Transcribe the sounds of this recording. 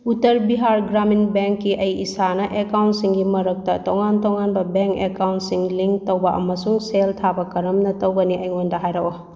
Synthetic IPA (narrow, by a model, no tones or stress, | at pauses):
utɐɾbiɦaɾɡɾaminbeŋkːiʔɐjisanɐʔekawntsiŋɡimɐɾɐk̚tɐtoŋantoŋanbɐbeŋkekawntsiŋliŋtɐwbɐʔɐ̰mɐsuŋseltʰabɐkɐɾɐmnɐtɐwɡɐniʔɐjŋondɐɦajɾɐwo